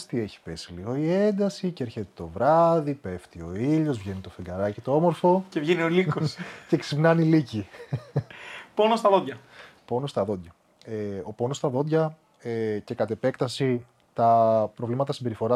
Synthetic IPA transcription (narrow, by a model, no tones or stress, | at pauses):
st̪ie̞çi̥pe̞siliɣo̞ie̞nd̪ɐsiceeɾçet̪e̥t̪o̞vɾɐðipe̞ft̪io̞iʎo̞zvʝe̞nit̪o̞feŋɡɐɾɐcit̪o̞o̞moɾfo̞ce̞vʝeniolikosce̞ksipnɐnilici | ponost̪ɐðod̪ʝɐpo̞nost̪ɐðo̞d̪ʝɐ | eo̞po̞nost̪ɐðo̞d̪ʝɐ | ece̞kɐt̪e̞pe̞kt̪ɐsi | t̪ɐpɾo̞vlimɐt̪ɐsimbe̞ɾifo̞ɾɐ